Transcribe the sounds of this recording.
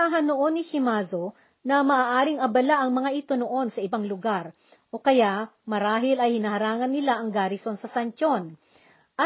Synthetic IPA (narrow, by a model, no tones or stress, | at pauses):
aɦɐnoʔo̞nːɪhɪmazo | nɐmɐʔaːʔaːɾɪŋɐbɐlaʔɐŋmɐŋaʔɪt̪onoʔo̞nsɐɪbaŋlʊɡaɾ | ʔo̞kɐjaʔ | mɐɾaːɦɪlɐjhɪnɐhɐɾaːŋɐnːɪlaʔɐŋɡaːɾɪso̞nsɐsɐnt͡ʃon | ʔɐ